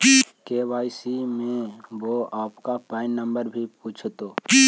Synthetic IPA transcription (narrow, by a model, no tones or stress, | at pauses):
keːʋaːisimẽʋoaːpkapãːɪnːə̃mbəɾbʱipuːt͡ʃʰt̪oː